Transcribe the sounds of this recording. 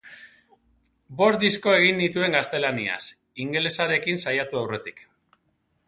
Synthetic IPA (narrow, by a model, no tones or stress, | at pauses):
bo̞st̪d̪isko̞e̞ɣ̞inːit̪ue̞ŋɡast̪e̞lania̰s | iŋɡele̞saɾe̞kinsajat̪uawre̞t̪ik